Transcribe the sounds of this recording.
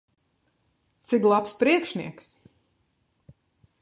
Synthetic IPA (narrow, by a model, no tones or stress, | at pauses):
t̪siklˠapspɾiɛkʃniɛks